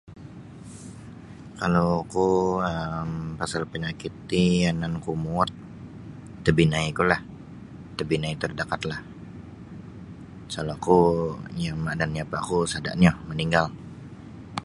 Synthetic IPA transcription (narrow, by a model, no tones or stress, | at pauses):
kalokuəmpasalpəɲakit̪ːianankumuɔt̪̚ː | əbinaikulah | t̪əbinait̪ərdakat̪lah | salakujaŋmadanapakusada̰ʔɲaməniŋɡal